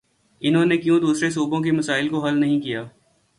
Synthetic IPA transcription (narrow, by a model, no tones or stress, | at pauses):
ɪnɦõnekjũːd̪uːsɾes̬uːbõk̬imɐsaːɪlkoɦɐlnɐɦĩkijaː